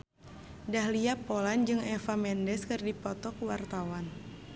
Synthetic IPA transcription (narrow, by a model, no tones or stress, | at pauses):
dahliapoland͡ʒɨŋɛfamɛndɛskɨrdipɔt̪ɔkwart̪awan